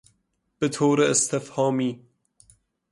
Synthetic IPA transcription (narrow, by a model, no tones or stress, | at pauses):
b̥et̪ʰoːɾeːst̪ʰefhɒːmiː